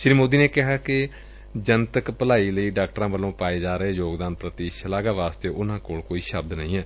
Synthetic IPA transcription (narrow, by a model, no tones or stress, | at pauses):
ʃɾiːmoːd̪iːneːkɪɦaːkɪ | d͡ʒənt̪əkpəlaːiːləiːɖaːk̚ʈɾãːʋəlõːpaːeːd͡ʒaːɾəeːjoːɡd̪aːnpɾət̪iːʃəlaːɡaːʋaːst̪eːʔʊnãːkoːlkoːiːʃəbd̪nə̰ɦĩːɛː